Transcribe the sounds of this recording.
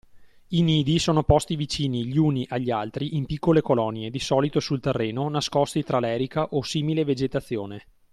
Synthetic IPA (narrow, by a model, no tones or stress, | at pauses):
iniːd̪isoːnopɔst̪ivit͡ʃiːniʎiuniʔaʎːialt̪ɾiʔimpikːolekolɔnied̪isɔːlit̪osult̪erːeːnonaskɔst̪it̪ɾalɛːɾikaʔosiːmileved͡ʒet̪at̪sːjoːne